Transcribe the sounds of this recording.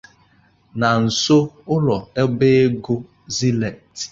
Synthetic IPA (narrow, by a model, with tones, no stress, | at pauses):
na˨n̩˨so˦ʊ˦lɔ˨e˦be˦e˦ɡo˦ | zi˦le˨t